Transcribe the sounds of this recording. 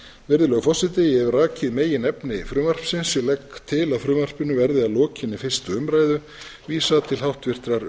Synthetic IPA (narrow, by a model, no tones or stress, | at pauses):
vɪɾðʏlœːɣʏfɔsɪt̪ɪjɛvraːcɪðmeːjɪnɛpnɪfɾʏːmar̥psɪnsjɛlɛkt̪ʰɪlaðfɾʏːmar̥pʏnʏvɛɾðɪalɔːcɪnifɪr̥st̪ʏʏmɾaːjðʏ | viːsaðt̪ʰɪlɦhawht̪vɪr̥t̪ɾaɾ